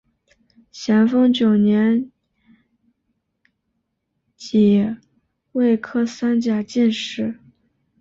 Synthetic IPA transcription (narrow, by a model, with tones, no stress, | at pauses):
ɕjɛ˧˥nfɤ˥ŋt͡ɕjo˨˩ʊnjɛ˧˥n | t͡ɕi˨˩ | we˥˩ɪkʰɤ˥sa˥nt͡ɕja˨˩t͡ɕi˥˧nʂɻ̩˥˩